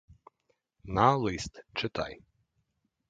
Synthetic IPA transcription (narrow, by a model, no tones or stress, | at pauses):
nalˠist̪t͡ʃɪt̪a̰j